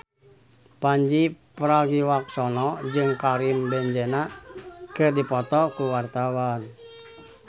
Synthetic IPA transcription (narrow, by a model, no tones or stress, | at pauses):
paɲd͡ʒipəɾaɡiwak̚sɔnɔd͡ʒɨŋkaɾimbɛɲd͡ʒɛnakɨrdipɔt̪ɔkuwart̪awan